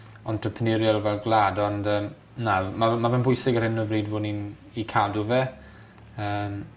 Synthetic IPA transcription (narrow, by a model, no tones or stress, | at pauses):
ɔntʰəpʰnɪɾjɔlˠvɛlˠɡlaːdɔndəːm | namamavɛnbʊjsɪɡərhɪnəvriːdvʊːnin | ikʰaːduvɛ | əːm